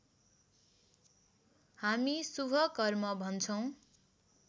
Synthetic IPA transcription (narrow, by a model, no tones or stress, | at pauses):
hamisubʱʌkʌrmʌbʱʌnt͡sʰʌw̃